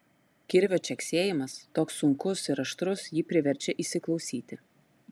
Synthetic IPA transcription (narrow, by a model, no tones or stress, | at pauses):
kʲɪɾʲʋʲoːt͡ʃʲɛksʲeːjɪmɐst̪oːksːʊŋkʊsɪɾɐʃt̪ɾʊsjiːpʲɾʲɪʋʲɛɾʲˑt͡ʃʲɛʔiːsʲɪklˠɒʊsʲiːt̪ʲɪ